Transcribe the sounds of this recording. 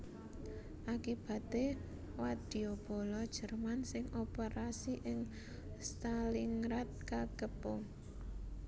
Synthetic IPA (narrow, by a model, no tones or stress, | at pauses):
ʔakib̥a̤t̪e | wad̪̥i̤ob̥o̤lɔd̥ʒ̥ə̤rmansɪŋʔopeɾasiʔɪŋ | st̪aliŋɾat̪̚kakəpʊŋ